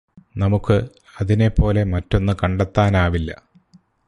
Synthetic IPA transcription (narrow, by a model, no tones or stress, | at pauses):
nɐmukːɨ | ɐðine̞pːo̞ːle̞mɐtːo̞nːɨkɐɳɖet̪ːaːnaːʋilːɐ̰